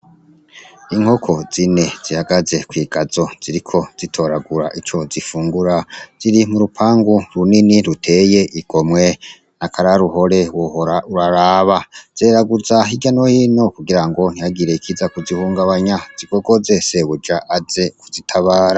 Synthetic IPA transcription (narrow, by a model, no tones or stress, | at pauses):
iŋ̥ho̞kʰo̞z̥ine̞z̥ihaɡaze̞kwiːɡ̥azo̞z̥iɾikʰo̞z̥itʰo̞ːɾaɡuɾa̰ʔit͡ʃo̞zifuːŋɡuɾaz̥iɾimuɾupʰaːŋɡuɾuniniɾutʰe̞je̞ʔiɡ̥o̞mwe̞ | nakʰaɾaɾuho̞ɾe̞wauɾaɾaːβaz̥eːɾaɡuzaɦiɟanohiːno̞kuɡiɾaŋɡo̞n̥ijaɡiɾe̞ikʰizakuzihuːŋɡaβaɲaz̥iɡo̞ɡo̞zeseβud͡ʒaʔazekuzitʰaβaːɾa